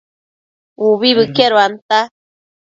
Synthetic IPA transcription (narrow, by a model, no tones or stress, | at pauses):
uβiβɨkeɾoant̪a